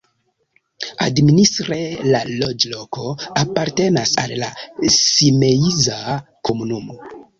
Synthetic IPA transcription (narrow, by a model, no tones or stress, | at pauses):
a̰dministɾelalo̞d͡ʒlo̞ko̞apaɾte̞nasa̰llasimeiza | ko̞munumo